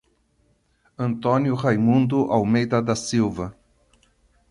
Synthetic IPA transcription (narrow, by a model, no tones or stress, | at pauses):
ɐ̃nt̪õnjʊʁajmũnd̪ʊʔawmejd̪ɐd̪ɐsiwvɐ